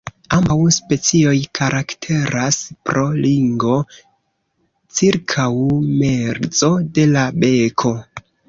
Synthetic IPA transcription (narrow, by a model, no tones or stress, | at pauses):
ambawspe̞t͡sio̞jkʰaɾʔaktʰe̞ɾaspɾo̞liŋɡo̞ | t͡siɾkʰawme̞ɾd͡zo̞de̞labe̞kʰo̞